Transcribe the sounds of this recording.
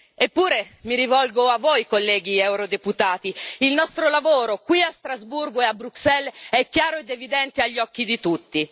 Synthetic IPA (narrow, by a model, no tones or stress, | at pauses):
epːuːɾemiɾivɔlɡoavːojkolːɛːɡiɛwɾod̪eput̪aːt̪iilnɔst̪ɾolavoːɾokwiast̪ɾazburɡoeabɾuksɛlɛkːjaːɾoed̪evid̪ɛnt̪eaʎːɔkːid̪it̪ut̪ːi